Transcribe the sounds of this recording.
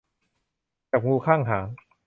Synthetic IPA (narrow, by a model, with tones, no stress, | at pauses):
t͡ɕaː˨˩p̚ŋuː˧kʰaː˥˩ŋɦaː˩˦ŋ